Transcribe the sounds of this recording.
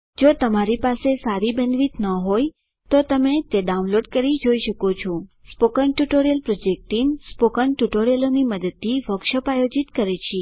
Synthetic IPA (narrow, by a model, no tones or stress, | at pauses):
d͡ʒot̪əmaɾipasesaɾibə̃nd̪ʋit̪nəɦoj | t̪ot̪əmet̪eɖaũnloɖkəɾid͡ʒoiʃəkot͡ʃʰospokənʈuʈoɾijəlpɾɔd͡ʒek̚ʈinspokənʈuʈoɾijəloniməd̪əd̪̚t̪iʋəkʃəpajod͡ʒit̪kəɾet͡ʃʰi